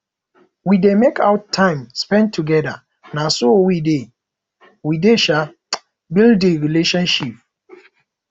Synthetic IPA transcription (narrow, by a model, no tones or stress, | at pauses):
widemekʰaʊttʰːãɪ̃mspɛ̃ntʰuɡɛda̰ | nasowide | wideʃa | bilddeɹileʃɔ̃nʃip̚